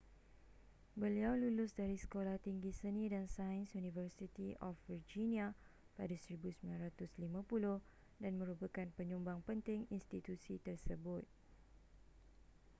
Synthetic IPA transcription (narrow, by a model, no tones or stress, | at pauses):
bəliawlulʊsdaɾisə̥kolaht̪iŋɡisənĩdansaənsjunivərsit̪iʔɔfvird͡ʒinĩa | padasəɾibusəmilanɾat̪ʊslimãpulʊh | danmə̃ɾubəkanpəɲũmbaŋpənt̪ɪŋinst̪it̪usit̪ərsəbʊt̪̚